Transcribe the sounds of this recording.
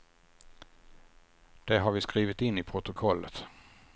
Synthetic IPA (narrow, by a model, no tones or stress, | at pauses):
d̪̥ɛɦaɾvɪskɾiːvɪt̪ɪnːɪpʰɾʊt̪ʊkʰɔlːə̰t̪